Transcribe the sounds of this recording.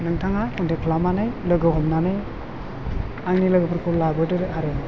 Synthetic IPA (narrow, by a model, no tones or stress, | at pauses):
nɯŋtʰaŋakʰundekʰlamanɯjlɯɡɯɦɔmnanɯj | aŋnilɯɡɯpʰɯɾkʰulabɯdɯɾaɾe